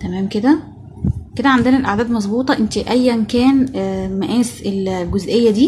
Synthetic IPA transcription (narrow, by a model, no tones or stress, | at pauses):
t̪æmæːmked̪æ | ked̪æʕand̪enælʔaʕd̪æːd̪mɑzˤbuːt̪ˤɑʔent̪iʔæjːænkæːnmæʔæːselɡozʔejːæd̪iː